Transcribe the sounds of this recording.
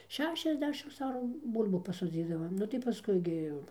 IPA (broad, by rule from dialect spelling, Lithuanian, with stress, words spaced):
ˈʃʲæːʃʲɛzʲˌdʲæːʃʲɪms ˈɑːruː ˈbuːlʲbuː pɐsoːˈd͡zʲiːdɐʋoːm ˈnʊ tɐɪ pɐˈskʊɪ ɡʲɪ jɛʊ